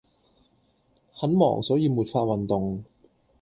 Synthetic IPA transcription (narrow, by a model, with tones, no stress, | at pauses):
hɐ˨˥nmɔ̰ː˨˩ŋsɔː˨˥jiː˧muː˨˩t̚faː˧t̚wɐ˨nt̪ʊ˨ŋ